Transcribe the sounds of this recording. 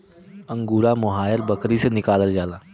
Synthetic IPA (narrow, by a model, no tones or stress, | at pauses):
ə̃ŋɡuːɾamʊɦaːjəɾbɐkɾisenɪkaːləld͡ʒaːlaː